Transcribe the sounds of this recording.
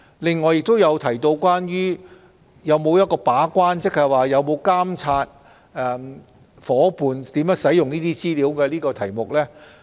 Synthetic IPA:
lɪ˨˧ŋːɔː˨˧jɪ˨k̚t̪o˥wjɐ˨˧wt̪ʰɐ˨˩jt̪o˧wkʷwaː˥njyː˥ | jɐ˨˧wmo˨˧wjɐ˥t̚kɔː˧paː˨˥kʷaː˥nt͡sɪ˥k̚hɐ˨jwaː˨jɐ˨˧wmo˨˧wkaː˥mt͡sʰaː˧t̚ | ɛ˨ | fɔː˨˥puː˨nt̪iː˨˥mjœː˨˥ŋsɐ˨˥jʊ˨ŋniː˥t̪iː˥t͡siː˥liː˨˥wkɛː˧liː˥kɔː˧t̪ʰɐ˨˩jmʊ˨k̚lɛː˥

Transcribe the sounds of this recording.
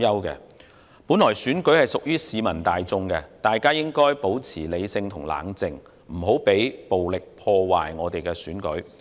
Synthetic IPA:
jɐ˥wkɛ̰ː˧ | puː˨˥nlɔː˨˩jsyː˨˥nkɵ˨˥ɥhɐ˨jsʊ˨k̚jyː˥siː˨mɐ˨˩nt̪aː˨˧jt͡sʊ˧ŋkɛː˧t̪aː˨jkaː˥jɪ˥ŋkɔː˥jpo˨˥wt͡sʰiː˨˩le˨˧jsɪ˧ŋt̪ʰʊ˨˩ŋla̰ː˨˥ŋt͡sɪ˨˧ŋ | m̩˨˩ɦo˨˥wpe˨˥jpo˨wlɪ˨k̚pʰɔː˧waː˨jŋɔː˨˧t̪e˨jkɛː˧syː˨˥nkɵ̰˨˥ɥ

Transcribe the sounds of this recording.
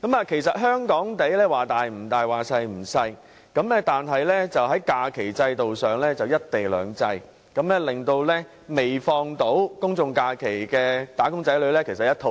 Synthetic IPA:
kɐ˨˥mɐː˨˧kʰe˨˩jsɐ˨t̚ɦœː˥ŋkɔː˨˥ŋt̪e˨˥jlɛː˥waː˨t̪aː˨˩jm̩˨˩t̪aː˨jwaː˨˩sɐ˧jm̩˨˩sɐ˧j | kɐ˨˥mlɛː˥t̪aː˨nɦɐ˨jlɛː˥t͡sɐ˨wɦɐ˨˥jkaː˧kʰe˨˩jt͡sɐ˧jt̪o˨wsœː˨ŋlɛː˥t͡sɐ˨wjɐ˥t̚t̪e˨˩jlœ̰ː˨ŋt͡sɐ˧j | kɐ˨˥mlɛː˥lɪ˨ŋt̪o˧wlɛː˥ | me˨jfɔː˧ŋt̪o˨˥wkʊ˥ŋt͡sʊ˧ŋkaː˧kʰe˨˩jkɛː˧t̪aː˨˥kʊ˥ŋt͡sɐ˨˥jlɥlɛː˥kʰe˨˩sɐ˨t̚jɐ˥t̪ʰo˧

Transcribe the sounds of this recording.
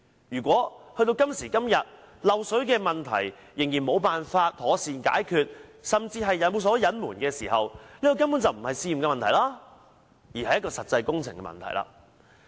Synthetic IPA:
jyː˨˩kʷɔː˨˥hɵ˧ɥt̪o˧wkɐ˥msiː˨˩kɐ˥mjɐ˨t̚ | lɐ˨wsɵ˨˥ɥkɛː˧mɐ˨nt̪ʰɐ̰˨˩jː | ɪ˨˩ŋjiː˨˩nmo˨˧wpaː˨nfaː˧t̚t̪ʰɔː˨˥siː˨˧nka̰ː˨˥jkʰyː˧t̚sɐ˨mt͡siː˧ɦɐ˨jːɐ˨˥nmo˨˧ws̬ɔː˨˥jɐ˨˥nmuː˨˩nkɛː˧siː˨˩ɦɐ˨wliː˥k̪ɔ˧kɐ˥mpu˨˥nt͡sɐ˨wm̩˨˩hɐ˨jsiː˧ji˨mŋkɛ˧mɐ˨nt̪ʰjlaː˥ | jiː˨˩hɐ˨˩jɐ˥kɔː˧sɐ˨t̚t͡sɐ˧jkʊ˥ŋt͡sʰɪ˨˩ŋkɛ̰˧mɐ̰˨nt̪ʰɐ̰˨˩jla̰ː˨

